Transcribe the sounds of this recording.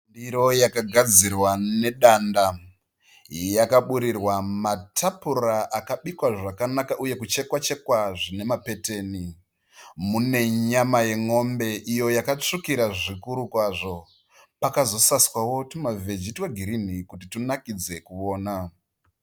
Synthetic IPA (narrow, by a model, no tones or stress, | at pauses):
ndiɾo̞jakaɡʱad͡zirwane̞ɗanda | jakaɓuɾirwamatʰapuraʔakaɓikwaʐakanakaʔuje̞kut͡ʃe̞kwat͡ʃe̞kwaʐine̞mape̞te̞ːni | mune̞ɲamaje̞ŋo̞mbe̞ʔijo̞jakat͡ʂikiɾaʐikuɾukwaʐo̞ | pakazo̞saswawo̞tumaved͡ʒitweɡʱiɾin̤ikutitunakid͡ze̞kuʋo̞ːna